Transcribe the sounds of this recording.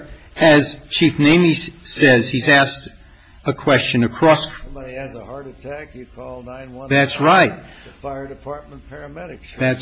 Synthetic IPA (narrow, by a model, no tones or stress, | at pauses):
ɨz̥t͡ʃʰifnẽɪ̃misɛz̥izæst | əkʰw̥ɛst͡ʃɨ̃nɨkʰɹ̥ɔsiɨzəhɑɹɾɨtʰækjɨkʰɔlˠnãɪ̃nwʌ̃ðætsɹaɪt̚faɪə˞dɨpʰɑɹt̚m̃npʰɛɹɨmɛɾɨkðæts